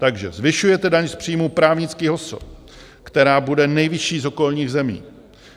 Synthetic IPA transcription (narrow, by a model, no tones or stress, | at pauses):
t̪aɡʒɛ̰zvɪʃujɛt̪ɛdaɲspr̝̥iːmuːpɾaːvɲɪt͡skiːɦo̞so̰p | kt̪ɛɾaːbudɛnɛjvɪʃiːzo̞ko̞lɲiːɣzɛmḭː